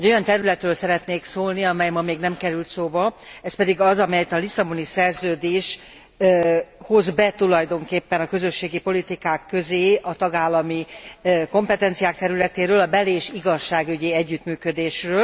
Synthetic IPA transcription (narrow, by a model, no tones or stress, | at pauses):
ɛɟːo̞jɒnt̪ɛɾylɛt̪røːlsɛɾɛt̪neːksoːlniɒmɛjmɒmeːɡnɛmkɛɾylt̪soːbɒɛspɛd̪iɡɒzɒmɛjɛt̪ɒlisɒbo̞nisɛrzøːd̪eːʃ | hozbɛt̪ulɒjd̪o̞ŋkeːpːɛnɒkø̞zø̞ʃːeːɡipo̞lit̪ikaːkːø̞zeːʔɒt̪ɒɡaːlːɒmiko̞mpɛt̪ɛnt̪sijaːk̚t̪ɛɾylɛt̪eːɾøːlɒbɛleːʃiɡɒʃːaːɡyɟiɛɟːyt̪myːkød̪eːʃrøːl